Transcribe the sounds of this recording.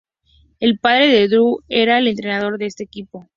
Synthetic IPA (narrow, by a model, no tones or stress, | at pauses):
e̞lpaðɾe̞ðeðɾue̞ɾaele̞nt̪ɾenaðo̞ɾðeest̪e̞ːkipo̞